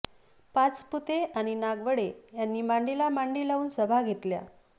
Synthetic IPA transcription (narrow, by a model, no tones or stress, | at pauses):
pat͡sput̪eʔañinaɡʋəɽejanːiːmaɳɖilamaɳɖilauːnsəbʱaɡʱet̪lja̰